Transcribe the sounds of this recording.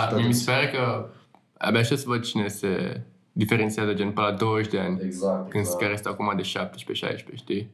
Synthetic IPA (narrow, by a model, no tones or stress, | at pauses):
miemispeɾəkə | a̰baʃasəvəd̪̚t͡ʃinesḛ | d̪ifeɾent̪siazəd͡ʒenpɨnlad̪o̞wəʃʲd̪e̞anʲkɨnd̪skaɾjest̪eakumad̪e̞ʃap̚t̪eʃpeʃa̰jʃpeʃt̪i